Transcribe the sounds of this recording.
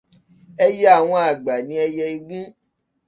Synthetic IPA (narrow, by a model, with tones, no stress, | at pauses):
ɛ˦jɛ˦a˦˨w̃ɔ̃˧a˨ɡ͡ba˨nĩ˨˦ɛ˧jɛ˧i˧ɡũ˦